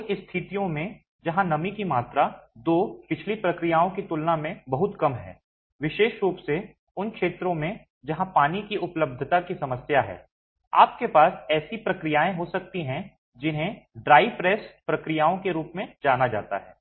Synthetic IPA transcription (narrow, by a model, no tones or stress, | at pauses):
nɪst̪ʰɪt̪ijõmẽ | d͡ʒɐɦãnɐmikimaːt̪ɾad̪oːpɪt͡ʃʰlipɾɐkɾijaːõkit̪ʊlnamẽbɐɦʊt̪kɐmɦɛ̰ː | ʋɪʃeːʃɾuːpse | ʊnkʃeːt̪ɾõmẽ | d͡ʒɐɦãpaːnikiʔʊpləb̚d̪ʱət̪akisɐməsjaɦɛ̰ː | a̰ːp̚kepaːsɛːsipɾɐkɾɪjaːẽɦosɐk̚t̪iɦɛ̃ | d͡ʒɪnɦẽɖɾaːɪfɾɛːspɾɐkɾɪjaːõkeɾuːpmẽd͡ʒaːnad͡ʒa̰ːt̪a̰ɦɛ̰ː